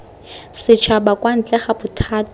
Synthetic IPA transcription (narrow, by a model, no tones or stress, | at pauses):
sɪt͡ʃʰabakwan̩t͡ɬʼɛχabʊtʰaːt